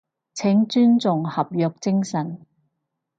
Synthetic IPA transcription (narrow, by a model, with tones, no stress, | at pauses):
t͡sʰɪ˨˥ŋt͡ʃyː˥nt͡sʊ˨ŋhɐ˨p̚jœː˨k̚t͡sɪ˥ŋsɐ˨˩n